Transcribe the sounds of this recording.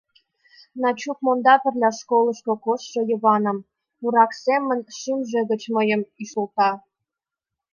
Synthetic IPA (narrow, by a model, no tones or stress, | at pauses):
nɑt͡ɕukmond̪ɑpɘ̆rlʲæʃkolˠɤ̆ʃkŏkosːɤ̆jɤ̆βɑnɤ̆m | puɾɑksʲemə̆nʲʃimʒĕɡə̆t͡ɕmɤ̆jə̆miʃulˠt̪ɑ